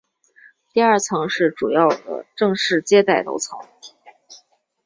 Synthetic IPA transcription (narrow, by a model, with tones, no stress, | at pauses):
t̪i˥˧ɐ˞˥˩t͡sʰɤ˧˥ŋʂɻ̩˥˩ʈ͡ʂu˨˩jɑ˥˩ʊd̪ə̰˩ʈ͡ʂɤ˥˧ŋʂɻ̩˥˩t͡ɕjɛ˥t̪a˥˩ɪlo̰˧˥ʊt͡sʰɤ˧˥ŋ